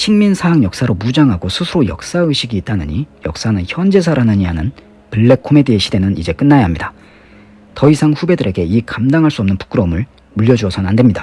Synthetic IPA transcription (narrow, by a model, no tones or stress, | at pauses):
ɕʰiŋminsʰaːŋjʌk̚s͈aɾomud͡ʑaŋɦaɡosʰusʰuɾojʌ̰k̚s͈aɯɕʰiɡiːt̚t͈anɯɲijʌ̰k̚s͈anɯnçjʌnd͡ʑe̞sʰaɾanɯɲiɦanɯn | pɯɭːe̞kʰome̞deːɕʰide̞nɯnid͡ʑe̞k͈ɯnːajaɦamɲida | tʌisʰaŋɸube̞dɯɾe̞ɡe̞ikamdaŋɦaɭs͈uʌmnɯnpu̥k͈ɯɾʌmɯɭ | muʎːjʌd͡ʑuʌsʰʌnande̞mɲida